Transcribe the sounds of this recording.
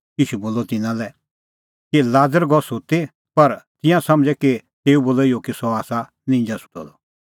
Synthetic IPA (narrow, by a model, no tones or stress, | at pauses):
jiːʃuboːlɔt̪ɪnãlɛ | kilaːd͡zəɾɡɔsot̪e | pɐɾt̪ɪ̃jãsɐmd͡ʒɛkit̪eːuboːlijokisɔaːsa | nɪ̃ːnd͡ʒasu̥tɔ̰d̪ɔ